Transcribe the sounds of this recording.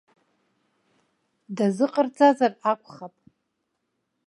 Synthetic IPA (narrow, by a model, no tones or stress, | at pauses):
dazɨqʼərd͡zazarakʷʰʼχapʼ